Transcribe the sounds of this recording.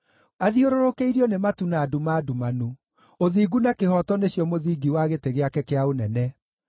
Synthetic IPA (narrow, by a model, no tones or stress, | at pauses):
aðioɾoɾokeiɾiɔnematunaːdumaːdumanu | oðiːɡunakehɔtɔneɕjɔmoðiːɡiwaɣeteɣeakɛkeaonɛnɛ